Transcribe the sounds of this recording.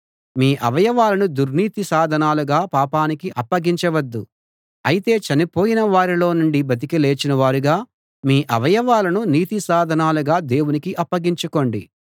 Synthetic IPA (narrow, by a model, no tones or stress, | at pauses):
miːʔɐʋɐjɐʋaːlɐnud̪uɾniːt̪isaːd̪ʱɐnaːluɡaːpaːpaːnikiɐpːɐɡiɲt͡ʃɐʋɐd̪ːu | ɐjit̪e̞ːt͡ʃɐnipo̞ːjinɐʋaːɾilo̞ːnuɳɖibɐt̪̬ikile̞ːt͡ʃinɐʋaːɾuɡaː | miːʔɐʋɐjɐʋaːlɐnuniːt̪isaːd̪ʱɐnaːluɡaːd̪e̞ːwunikiʔɐpːɐɡiɲt͡ʃuko̞ːɳɖi